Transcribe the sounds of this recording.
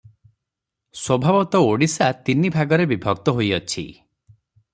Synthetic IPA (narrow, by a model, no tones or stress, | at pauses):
swɔbʱabɔt̪ɔoɽisat̪inibʱaɡɔɾebibʱɔk̚t̪ɔɦojɔt͡ʃʰḭ